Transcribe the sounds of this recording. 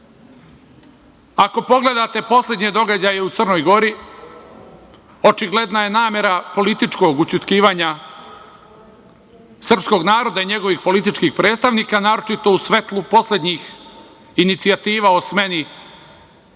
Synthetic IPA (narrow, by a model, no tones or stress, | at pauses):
ako̞po̞ɡle̞d̪at̪e̞po̞slʲe̞d̪ɲe̞d̪o̞ɡad͡ʑaje̞ut̪sər̩no̞jɡo̞ɾi | o̞t͡ʃiɡle̞d̪naje̞naːme̞ɾapo̞lit̪it͡ʃko̞ɡut͡ɕut̪kiːʋaːɲa | sr̩psko̞ɡnaːɾo̞d̪aiɲe̞ɡo̞ʋixpo̞lit̪it͡ʃkixpɾe̞ːt̪st̪aʋniːkanaːɾo̞t͡ʃit̪o̞usʋe̞t̪lˠupo̞slʲe̞d̪ɲix | init̪siat̪iːʋaosme̞ni